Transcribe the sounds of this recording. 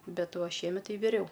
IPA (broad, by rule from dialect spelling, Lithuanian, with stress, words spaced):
ˈbʲɛt ˈʋɐ ʃʲiɛˈmʲɛt ˈtɐɪ ʋʲɪˈrʲɛʊ